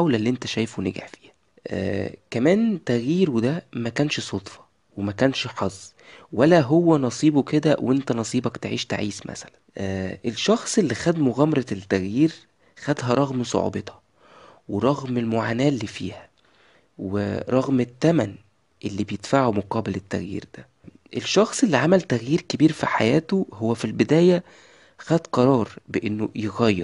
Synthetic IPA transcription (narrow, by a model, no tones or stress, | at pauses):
æwlælːiːʔent̪æʃæːjfweneɡa̰ħfi̥ːhæ̥ | ʔæ̰kæmæːnt̪æɣjiːɾud̪æmækæːnʃsˤod̪ˤfɑ̥ | wemækæːnʃħɑzˤː | wælæɦowːænɑsˤiːbuked̪æwʔent̪ænɑsˤiːbɑkt̪eʕḭːʃt̪a̰ʕiːsmʔæ̰sælænʔʔelʃɑxsˤelːixæd̪muɣæmɾˤɑlt̪ːæɣjiːɾ | xæd̪ɦæɾˤɑɣmsˤo̰ʕṵbet̪ʰɑ̥ | weɾˤɑɣmelmoʕa̰ːnæːlːiːfḭːhæ | wḛɾˤɑɣmet̪ːæmæn | ʔelːibejed̪faʕomoqɑːbelet̪ːæɣjḭːɾd̪̥æ | ʔelʃːɑxsˤelːiʕamælt̪æɣjiːɾkebiːɾfiħajæːt̪ohowːæfilbed̪æːjæ | xæd̪qɑɾˤɑːɾˤbeʔenːojeɣæjːɑɾˤ